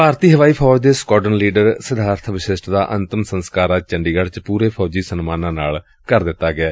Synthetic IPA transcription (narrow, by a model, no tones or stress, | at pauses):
paːɾt̪iːɦəʋaːiːpʰɔːd͡ʒd̪eːskɔːʈənliːɖəɾsəd̪ʱaːɾt̪ʰʋɪʃɪsʈd̪aːʔənt̪əmsənskaːɾaːt͡ʃəɳɖiːɡəɽt͡ʃpuːɾeːpʰɔːd͡ʒiːsənmaːnãːnaːl | kəɾd̪ɪt̪ːaːɡɪaː